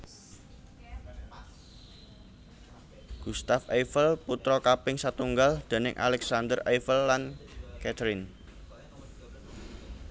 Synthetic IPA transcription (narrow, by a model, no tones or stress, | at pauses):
ɡ̥ust̪afefəlput̪ɾɔkapɪŋsat̪uŋɡald̪̥e̤nɪŋʔa̰lɛksand̪ərejfəlːankɛt̪ɾɪn